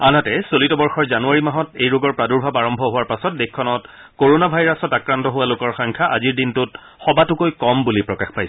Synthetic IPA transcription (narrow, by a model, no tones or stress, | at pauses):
anatɛsolitɔbɔɹxɔɹzanuaɹimaɦɔtejɹoɡɔɹpɹaduɹbʱabaɹɔmbʱɔɦʊwaɹpasɔt̚dekkʰːɔnɔt | koɹonabʱajɹasɔtakɹantɔɦʊwalʊkɔɹxɔŋkʰaʔaziɹdintʊt | xɔbatʊkojkɔmbulipɹɔkaxpajs